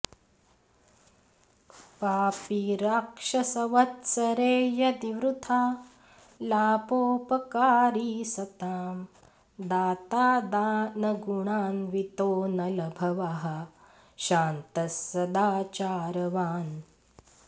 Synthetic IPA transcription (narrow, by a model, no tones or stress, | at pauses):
paːpiɾaːkʂɐsɐʋɐt̪sɐɾeːjɐd̪iʋɾut̪ʰaː | laːpoːpɐkaːɾiːsɐt̪aːm | d̪aːt̪aːd̪aːnɐɡuɳaːnʋit̪oːnɐlɐbʱɐʋaɦɐ | ʃaːnt̪ɐsːɐd̪aːt͡ʃaːɾɐʋaːn